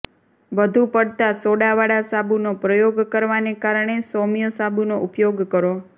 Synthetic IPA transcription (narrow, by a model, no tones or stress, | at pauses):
bəd̪ʱũpəɽt̪asoɽaʋaɽasabunopɾəjoɡkəɾʋanekaɾɳ̃esomjəsabunoʔupjoɡkəɾo